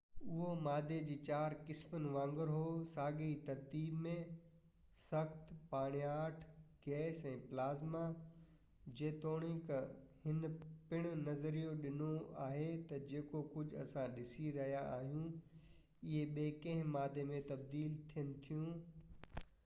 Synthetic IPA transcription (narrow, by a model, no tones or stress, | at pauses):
ʊɦomaːd̪ʱed͡ʑiːt͡ɕaːɾkɪsmənɪ̆ʋãːŋɡəɾɦoːsaːɡeit̪ɐɾt̪iːbmẽ | sɐxt̪paːɽ̃jaːʈʰɡ̥ɛːsɛ̃ːplaːzma | d͡ʑeːt̪oːɽ̃ɪk | hɪnpɪɽ̃ʊ̆nɐzəɾijoɗɪnoa̰ːɦet̪ɐd͡ʑeːkokʊd͡ʑʱɐ̰sãɗɪsiɾɐɦijaaːɦijũ | ɪɦeɓeːkɐ̃ɦɪ̃maːd̪ʱemẽt̪ɐb̚d̪iːlt̪ʰijənɪ̆t̪ʰijũː